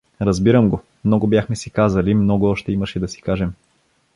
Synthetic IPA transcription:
ɾɐzbiɾəmɡo | mnɔɡobjaxmɛsikazəlimnɔɡoɔʃt̪ɛiməʃɛd̪ɐsi̥kaʒɛm

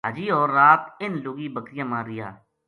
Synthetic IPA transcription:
ɦad͡ʒiːɔːɾːaːt̪ɪnloːɡiːbəkɾɪjãːmãːɾɪja̰ː

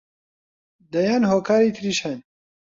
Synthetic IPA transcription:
d̪ɐjaːnhoːkʰaːɾit̪ʰɾiːʃhɛn

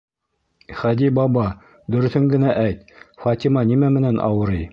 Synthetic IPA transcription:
χæd̪ibɑbɑ | d̪ɵ̆ɾɵ̆θɵŋɡɘ̆næʔæjt̪fɑt̪ʲimɑnimæmɘ̆nænʔɑ̰wɤ̆ɾɤj

